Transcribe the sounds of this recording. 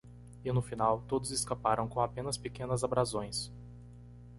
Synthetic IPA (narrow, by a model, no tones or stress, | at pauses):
ɪnʊfinawt̪od̪ʊzɪskapaɾɐ̃w̃kõapẽnɐspekẽnɐzabɾazõj̃s